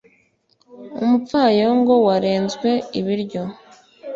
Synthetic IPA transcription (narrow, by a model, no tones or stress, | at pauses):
ṵmup͡faːjoŋɡo̞waɾe̞ːnzɡwe̞iβiɾɟo